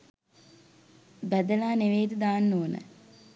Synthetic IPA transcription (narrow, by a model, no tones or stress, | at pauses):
bæd̪əlaːneʋeːd̪ud̪aːnːoːnə̰